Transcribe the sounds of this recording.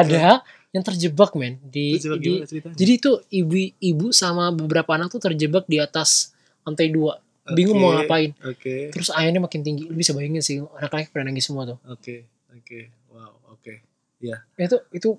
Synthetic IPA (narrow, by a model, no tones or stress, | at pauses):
ada | jaŋt̪ərd͡ʒəbak̚mɛndidid͡ʒadit̪uibuibusamabəbəɾapaːnak̚t̪ut̪ərd͡ʒəbak̚diat̪as | ant̪ajdua | biŋʊmmaaŋapaɪnoket̪əɾʊsajaɲamakɪnt̪iŋɡilbisabaɦiŋansɪanaknakɪk̚pananaŋɡisəmuat̪ʊhoke | oke | wawoke | jait̪uit̪u